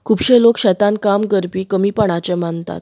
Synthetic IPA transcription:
kʰuːbɕẽlokɕɛt̪ãnkamɡəɾpiːkəmiːpəɳ̃at͡ɕemant̪a̰t̪̚

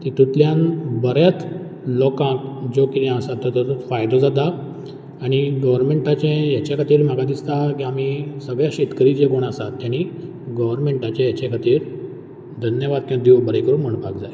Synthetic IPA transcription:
t̪it̪ʰut̪ljãnbəɾjat͡s̪ | lɔkãkd͡zokit̪ãəsat̪ːəɾt̪ət̪ut͡sfajd̪od͡zat̪̬a | aɽ̃iɡəʋəɾmeɳʈat͡ɕẽjat͡ɕekʰat̪iːɾm̤əɡad̪ist̪akiam̤isəɡɭjaɕet̪kəɾit͡ɕekoɽ̃asat̪ːjaɽ̃i | ɡəʋəɾmeɳʈat͡ɕẽjat͡ɕẽkʰat̪iːɾ | d̪ʱənjəʋad̪̚kãd̪iʋbəɾekəɾuːnm̤əɳpakd͡zaj

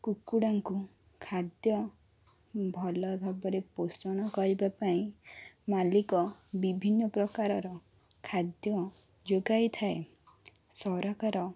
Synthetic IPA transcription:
kukuɽaŋku | kʰad̪jɔ | bʱɔlɔbʱabɔɾeposɔɽ̃ɔkɔɾibapaĩmalikɔbibʱinːɔpɾɔkaɾɔɾɔ | kʰad̪jɔ | d͡ʒoɡajt̪ʰae | sɔɾakaɾɔ

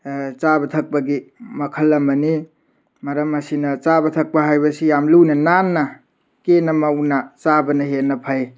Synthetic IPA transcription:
t͡ʃabɐt̪ʰɐk̚baɡimɐkʰɐlːɐmɐni | mɐɾɐmɐsinɐt͡ʃabɐtʰɐk̚paɦajbɐsijamlunɐnanːa | kenɐmawnat͡ʃabɐnɐɦenːɐpʰaj

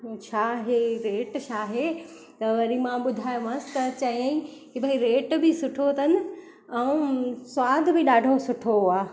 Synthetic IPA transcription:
ot͡ɕʰaɦeɾeːʈt͡ɕʰaːɦe | t̪ɐʋɐɾimãɓʊd̪ʱaːjʋãːsɪ̥t̪ɐt͡ɕɐiə̃ĩkibʱɐiɾeːʈbʱisʊʈʰot̪ʰɐnɪ̆ | ɛ̃ũswaːd̪ʱbʱɪɗaːɖʱosʊʈʰoɦʊaː

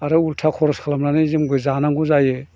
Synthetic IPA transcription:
aɾɯultʰakʰɔɾɔskʰalamnanɯzɯmbɯzanaŋɡuzajɯ

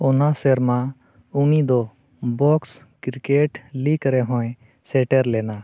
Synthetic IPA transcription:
ɔnasɛɾma | unid̪ɔ | bɔks | kiɾkeʈlikɾɛɦɔ̃j | sɛʈɛɾlɛna

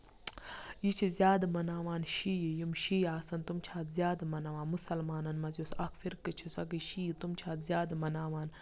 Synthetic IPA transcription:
jit͡ʃʰizjaːd̪mɐnaːʋaːnʃiːjjimʃiːaːsɐnt̪umt͡ʃʰaːt̪zjaːd̪mɐnaʋaːnmusɐlmaːnɐnmɐzʲjosɐkfiɾkɨt͡ʃʰisɐk̬iʃiːit̪umt͡ʃʰaːt̪zʲjaːd̪mɐnaːʋaːn

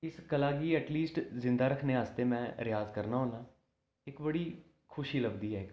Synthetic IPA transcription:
ɪskəlaːɡiːɛːʈliːsʈzɪ̃nd̪aːɾəkʰneːɦaːst̪eːmɛ̃ːɾɪjaːzkəɾnaːɦoːnaː | ɪkbəɽiː | kʰʊʃiːləbd̪iːɦɛːɪk

